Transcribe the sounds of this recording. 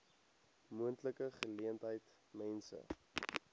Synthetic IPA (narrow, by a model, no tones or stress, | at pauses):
muəntləkəχəliəntɦəjt | mɛnsə̰